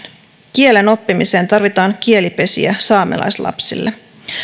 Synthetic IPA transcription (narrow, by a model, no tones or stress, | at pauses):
kie̞le̞no̞pːimise̞ːnt̪ɑrʋit̪ɑːŋkie̞lipe̞sḭæsɑːmḛlɑ̰jslɑ̰psḭlːe